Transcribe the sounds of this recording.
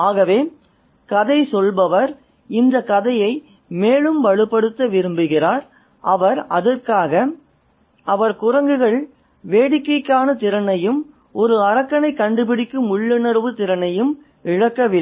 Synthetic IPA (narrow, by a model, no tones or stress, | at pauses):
aːɣɐʋeː | kɐðɐɪsɔlbɐʋɐɾ | ɪnd̪ɐkɐðɐjɐɪ | meːɭɯmʋɐɻɯpːɐɽɯt̪ːɐʋɪɾɯmbɯɣɪraːɾ | ʔɐʋɐɾɐðɐrkaːɣɐ | ʔɐʋɐɾkʊrɐŋɡɯɣɐɭ | ʋeːɽɪkːɐɪkːaːnɐt̪ɪɾɐnɐjɯm | ɔɾɯɐɾɐkːɐnɐɪkːɐɳɖɯpɪɽɪkːɯmʊɭːɐnɐɾʋɯt̪ɪɾɐnɐjɯm | ɪɻɐkːɐʋɪɐ